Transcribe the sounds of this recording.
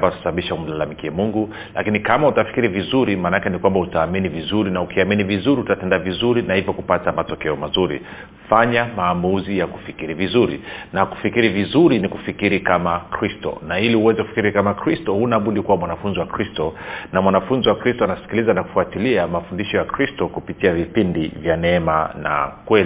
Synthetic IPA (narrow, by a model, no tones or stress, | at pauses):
batu̥saɓaɓiʃaum̩lalamikiɛmuŋɡu | la̰kinikamautafi̥kiɾivizuɾimaːnaakɛnikwambautaːminivizuɾinaukiaminivizuɾiutatɛndavizuɾinahivjɔkupatamatɔkɛɔmazuɾḭ | faɲamaːmuzijaku̥fikiɾivizuɾḭnaku̥fikiɾivizuɾiniku̥fikiɾikamakɾistɔ̰nailiuwɛzɛkufi̥kiɾikamakɾistɔhunaɓuɗikuwamwanafunziwakɾistɔnamwanafunziwakɾistɔanasi̥kilizanaku̥fuatiliamafundiʃɔjakɾistɔkupitiavipindivjanɛɛmana̰kwɛli